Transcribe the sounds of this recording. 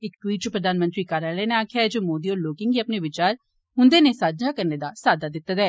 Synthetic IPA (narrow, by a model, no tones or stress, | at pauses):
ɪkʈwiːʈt͡ʃpɾəd̪ʱaːnmə̃nt̪ɾiːkaːɾaːlɛːneaːkʰjaɛd͡ʒoːmoːd̪iɔːɾloːkɪŋɡiːəpneʋɪt͡ʃaːɾ | ɦʊ̃nd̪eːnesaːd̪d͡ʒakəɾned̪asaːd̪ad̪ɪt̪ːət̪ɛː